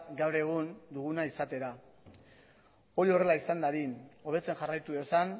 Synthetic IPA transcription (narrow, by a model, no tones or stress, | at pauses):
ɡawɾe̞ɣ̞und̪uɣunaisat̪e̞ɾa | o̞ɾio̞re̞laisand̪aɾino̞β̞e̞t͡se̞nʝarajt̪uðesan